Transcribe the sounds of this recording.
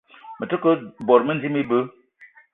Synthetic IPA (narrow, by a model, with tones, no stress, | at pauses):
mə˨tə˦kə˦bɔ˨ɾmə˦n˦zi˦mi˦bə˦